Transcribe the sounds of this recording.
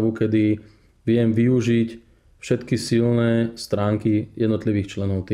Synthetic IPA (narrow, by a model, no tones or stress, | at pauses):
ʋukɛd̪i | ʋɪɛmʋiuʒic | fʃɛt̪kisilnɛst̪ɾaːŋkijɛd̪nɔt̪liʋiːxt͡ʃlɛnɔʊt̪